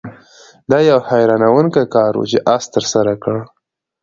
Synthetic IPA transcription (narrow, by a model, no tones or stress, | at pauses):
d̪ɑjawhajɾɑnawəŋkakɑɾṵt͡ʃeʔast̪əɾsaɾakəɽ